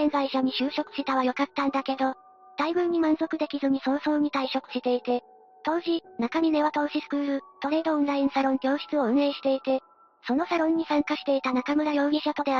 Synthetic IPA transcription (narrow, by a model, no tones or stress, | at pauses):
kẽnzaiɕaɲ̟iɕɨːɕo̞kɯ̥ɕit̪aβ̞ajo̞kat̪ːãnd̪ake̞d̪o | d̪̥aiɡɯ̟̃ɲ̟ːimãñzo̞kɯ̟d̪e̞kʲizɨɲ̟isõ̞ːso̞ːɲ̟it̪aiɕo̞kɯ̟̥ɕit̪e̞it̪e̞ | t̪o̞ːʑinakamʲine̞β̞at̪o̞ːɕisɨ̥kɯ̟ːɾɯ̟t̪o̞ɾe̞ːd̪o̞õnɾaĩsaɾõ̞ŋɡʲo̞ːɕi̥t͡sɨo̞ɯ̟̃ɰe̞ːɕi̥t̪e̞it̪e̞ | so̞no̞saɾõ̞ɲ̟ːisãŋkaɕi̥t̪e̞it̪anakamɯ̟ɾajo̞ːɡʲiɕat̪o̞d̪e̞